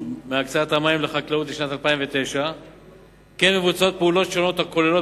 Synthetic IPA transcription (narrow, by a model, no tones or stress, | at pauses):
meakt͡saat̪hamajimleχaklaut̪̬liʃnat̪alpaimvet̪e̞jʃa | kenme̞vut͡sao̞t̪̚peulo̞tʃo̞no̞t̪hako̞lelo